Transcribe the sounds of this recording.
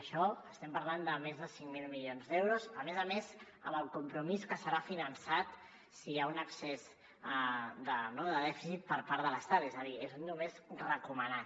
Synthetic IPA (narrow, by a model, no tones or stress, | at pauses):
ʃɔəst̪ɛmpəɾland̪əmezðəsiŋmilˠmilionzd̪ɛwɾuzəmezəmez | əməlˠkumpɾumiskəsəɾafinənsat̪ | siaunəksɛz | d̪ənoðəðɛfisit̪̚pəɾpaɾðələst̪at̪ɛzəðiezunːumezrəkuməna